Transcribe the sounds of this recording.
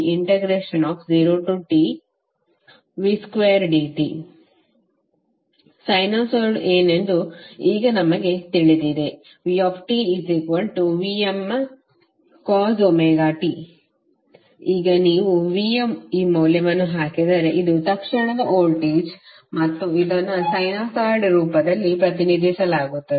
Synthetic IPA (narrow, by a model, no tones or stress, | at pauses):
iɳʈeɡɾeːʂɐnɔːfziːɾoːʈuʈiː | ʋiskʋeːɐɾɖiːʈḭ | sɐjnoːsoːɾɖeːnend̪uiːɡɐnɐmɐɡe̞t̪iɭid̪iːd̪e | ʋiːɔːfʈiizekʋɐlʈuʋiːem | kaːzomeɡaːʈi | iːɡɐniːʋuʋiːemiːmoːlɐʋɐnːuɦaːked̪aːɾeʔid̪ut̪ɐkʂɐɳɐd̪ɐʔoːlʈiːd͡ʒ | mɐt̪ːuilːoːnːɐsɐjnaːsaːɾɖɾuːpɐd̪ɐlːipɾɐt̪inid̪isɐlaːɡut̪ːɐd̪e